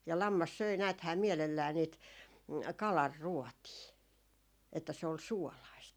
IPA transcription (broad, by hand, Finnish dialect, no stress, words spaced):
jɑ lɑmːɑs søi næːthæː miɛlelːæː niːt kɑlɑrːuɔtiː etːæ se ol suolɑist